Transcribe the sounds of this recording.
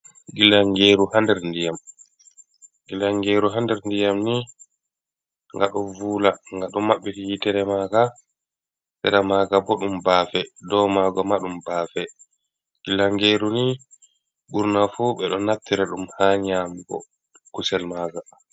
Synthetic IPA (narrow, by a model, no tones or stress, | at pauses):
ɡilaŋɡeːɾuhandɛɾndijam | ɡ̥ilaŋɡeːɾuɦandɛɾndijamni | ŋɡaɗɔvulaŋɡaɗɔmːaɓːɛfijitɛɾɛmaɡa | sɛɾamaɡabɔɗumbaːfɛdɔmaɡɔmaɗumbaːfɛ | ɡ̥ilaŋɡeːɾuni | ɓuɾnafuɓɛɗɔnap̚t̪iɾɛɗumhaɲambɔ̰ | kusɛlmaːɡa